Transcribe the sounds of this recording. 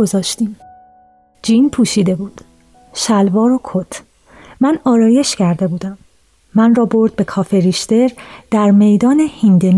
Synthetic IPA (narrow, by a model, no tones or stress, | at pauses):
ozɒːʃt̪iːm | d͡ʒinpʰuːʃiːd̪e̞buːd̪̥ | ʃælvɒːɾokʰot̪ʰ | mænɒːɾɒːje̞ʃcæɾd̪e̞buːd̪æmː | ænrɒːbo̞ɾd̪̚be̞kʰɒːfeɾiʃt̪e̞ɾd̪̥æɾme̞jd̪ɒːne̞hind̪en